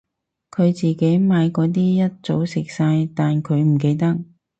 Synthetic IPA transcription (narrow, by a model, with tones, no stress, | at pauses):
kʰɵ˨˧ɥt͡siː˨ke˨˥jmaː˨˧jkɔː˧t̪̬iː˥jɐ˥t̚t͡so˨˥wsɪ˨k̚saː˧jt̪aː˨nkʰɵ˨˧ɥm̩˨˩ke˨˧jt̪ɐ˥k̚